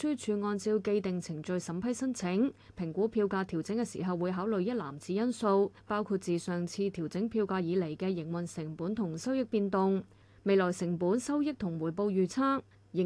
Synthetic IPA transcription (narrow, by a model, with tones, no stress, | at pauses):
yː˥t͡ʃʰyː˨˧ŋɔː˧nt͡siː˧wke˧jt̪ɪ˨ŋt͡sʰɪ˨˩ŋt͡sɵ˨˧ɥsɐ˨˥mpʰɐ˥jsɐ˥nt͡sʰɪ˨˥ŋpʰɪ˨˩ŋkʷuː˨˥pʰiː˧wkaː˧t̪ʰiː˨˩wt͡sɪ˨˥ŋkɛː˧sḭː˨˩ɦɐ˨wːuː˨˧jɦaː˨˥wlɵ˨˧ɥjɐ˥t̚la̰ː˨˩mt͡siː˨˧jɐ˥nso˧wpaː˥wkʰu˧t̚t͡siː˨sœː˨ŋt͡sʰiː˧t̪ʰiː˨˩wt͡sɪ˨˥ŋpʰiː˧wkaː˧jiː˨˧le˨˩jkɛ˧jɪ˨˩ŋwɐ˨˩nsɪ˨˩ŋpuː˨˥nt̪ʰʊ˨˩ŋsɐ˥wjɪ˥k̚piː˧nt̪ʊ˨˧ŋ | me˨˧jlɔː˨˩jsɪ˨˩ŋpuː˨˥nsɐ˥wjɪ˥k̚t̪ʰʊ˨˩ŋwuː˨˩jpo˧wjyː˨˩t͡sʰaː˥k̚ | jɪ˨˩